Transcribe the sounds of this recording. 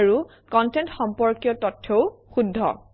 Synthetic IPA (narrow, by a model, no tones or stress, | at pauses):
ɹu | kɔntɛntxɔmpɔɹkijɔtɔtʰːɔwxudʱːɔ̰